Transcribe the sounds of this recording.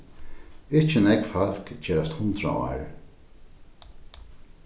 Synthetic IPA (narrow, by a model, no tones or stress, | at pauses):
ɪht͡ʃɪnɛkfal̥kt͡ʃʰɛːɾast̪hʊnt̪ɾa̰a̰ːɹ